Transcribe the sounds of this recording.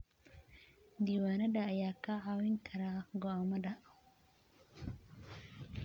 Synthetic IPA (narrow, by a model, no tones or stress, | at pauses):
d̪iwaːnɐdaːjaːkaawinkʰaɾaɡɔamada